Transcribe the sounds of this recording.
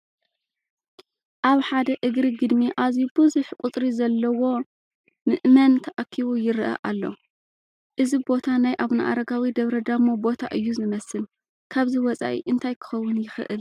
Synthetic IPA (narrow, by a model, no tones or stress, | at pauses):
ʔaβħad̪ɐʔɨɡɾiɡɨd̪miʔazibɨzuħkʷʼut̪ʼɾizɐlːɐwo̞ | nɨʔmɐnt̪ʰɐʔakʰːiβujɪɾʔɐ̰ʔalːo̰ | ʔɨzibo̞t̪ʰanajʔaβna̰ʔa̰ɾɐɡawid̪ɐβɾɐd̪amobo̞t̪ʰaʔɨjːuzɨmɐsɨl | kʰaβziwɔt͡sʼa̰ʔḭʔɨnt̪ʰajkʰɨ̥xɐwːʊnjɪxɨ̰ʔɨl